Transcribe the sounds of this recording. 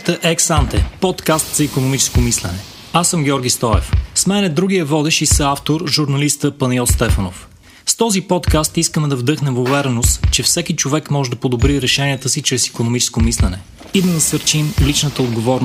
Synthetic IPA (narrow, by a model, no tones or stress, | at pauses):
t̪əʔɛksant̪ɛ̰pɔt̪kast̪z̥ɐikonomit͡ʃɛ̥skomislɛnɛ | asːəmɡʲɔɾɡʲist̪ɔɛ̰fsmɛnɛd̪ɾuɡiəvɔd̪ɛʃisəaft̪oɾʒuɾnɐlist̪əpɐniɔlst̪ɛfəno̰f | st̪ɔzipɔt̪kast̪iskəmɛd̪ɐvd̪ɤxnɛmvovɛɾɛnost̪t͡ʃɛfsɛkʲit͡ʃovɛkmɔʒɛd̪ɐpod̪obɾiɾɛʃɛniɛt̪əsit͡ʃɾɛsi̥konomit͡ʃɛ̥skomislɛnɛ | id̪ɐnɐsəɾt͡ʃimlit͡ʃnət̪əod̪ɡovɔɾn